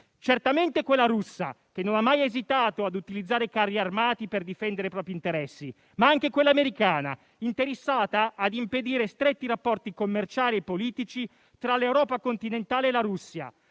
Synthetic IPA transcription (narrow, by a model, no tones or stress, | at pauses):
t͡ʃert̪ament̪ekwelːaɾusːa̰ | k̟enːonamːajezit̪aːt̪oad̪ut̪ilid̪zːaːɾekarːiarmaːt̪iperd̪ifɛnd̪eɾepɾɔːpɾiːnt̪eɾɛsːi | maaŋk̟ekwelːaːmeɾikaːna̰ | int̪eɾesːaːt̪aːd̪imped̪iːɾest̪ɾet̪ːiɾapːɔrt̪ikomːert͡ʃaːliepːoliːt̪it͡ʃi | t̪ɾalewɾɔːpakont̪inent̪aːleːlaɾusːja̰